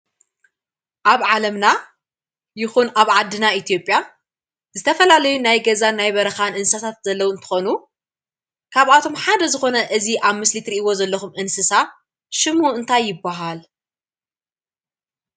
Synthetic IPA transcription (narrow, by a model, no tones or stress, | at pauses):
ʔaβʕalɐmna | jɪxunaβʕad̪ːɨnait̪ʰijo̞pʼja | zɨt̪ʰɐfɐlalɐjunajɡɐzanajβɐɾɐxanʔɨnsat̪ʰat̪̚zɐlːɐwuɨnt̪ʰɨ̥xonu | kʰaβat̪ʰo̞mħad̪ɐzɨxo̞nɐʔɨziʔaβmɨslit̪ɾiʔiwo̞zɐlːɐxumʔɨnsɨsa | ʃɨmhuɨnt̪ʰajːɪbːaɦal